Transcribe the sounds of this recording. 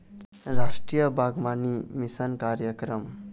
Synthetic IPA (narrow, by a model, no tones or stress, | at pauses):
ɾaʂʈɾijəbʱaɡmanimisənkaɾjəkɾəm